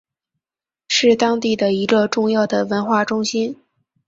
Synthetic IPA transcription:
ʂɻ̩˥˩t̪ɑ˥ŋt̪i˥˩d̪ə˩i˧˥ɡə˧ʈ͡ʂʊ˥˧ŋjɑ˥˩ʊd̪ə˩wə˧˥nxwa˥˩ʈ͡ʂʊ˥ŋɕi˥n

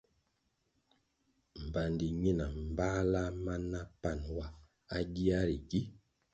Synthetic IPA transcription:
m̩˨ba˨n˨di˨ɲi˦na˨m̩˨ba˦la˦ma˦nːa˦pa˦˨nwa˦ | a˦ɡi˦a˦ɾi˨ɡi˦

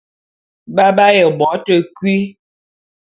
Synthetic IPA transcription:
ba˦ba˦jɛ˨bɔ˨˦tə˦kwi˦

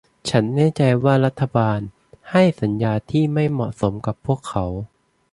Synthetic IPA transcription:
t͡ɕʰa˦˥nːɛː˥˩t͡ɕa˧jwaː˥˩ɾa˦˥t̪ʰːa˧baː˧n | ha˥˩jsa˩˦njaː˧t̪ʰiː˥˩ma˥˩jmɔ̰˨˩ʔso˩˦mka˨˩pʰːu˥˩əkʰːa˩˦w

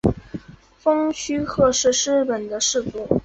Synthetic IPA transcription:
fɤ˥ŋɕy˥xʰɤ˥˧ʂɻ̩˥˩ʂɻ̩˥pə˨˩nd̪ə˦ʂɻ̩˥˩fu˥˩

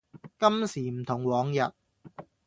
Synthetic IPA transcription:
kɐ˥msiː˨˩m̩˨˩t̪ʰʊ˨˩ŋwɔː˨˧˥ŋjɐ˨t̚

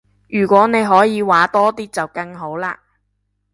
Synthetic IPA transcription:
jyː˨˩kʷɔː˨˥ne˨˧jɦɔː˨˥jiː˨˧waː˨˥t̪ɔː˥t̪iː˥t͡sɐ˨wkɐ˧ŋɦo˨˥wla̰ː˧

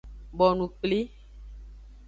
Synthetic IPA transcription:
bɔ˨nũ˨k͡pli˦

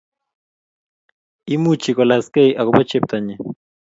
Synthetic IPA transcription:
i˦mu˦t͡ʃi˨kɔ˨la˨ske˦iʔa˨ku˨˦pa˦t͡ʃɛ˦p̚t̪a˨ɲɛ˨

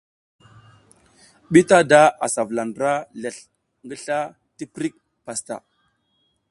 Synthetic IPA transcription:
ɓi˦ta˦da˦a˨sa˨vla˨nɾa˦le˨ɬ | ŋɡə˦ɬa˦ | ti˦pɾi˦k̚ | pa˨sta̰˨

